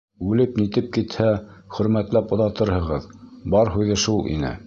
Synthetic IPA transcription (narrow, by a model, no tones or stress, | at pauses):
ʉlɘpnit̪ɘp̚kit̪hæχɵ̆ɾmæt̪læpŏðɑt̪ɤɾhɤ̆ʁɤðbɑɾɦʉðɘʃulˠʔḭnɘ̰